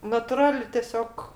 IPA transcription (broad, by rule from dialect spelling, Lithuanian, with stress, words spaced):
nɐtʊˈrɑːlʲɪ tʲɛˈsʲoːk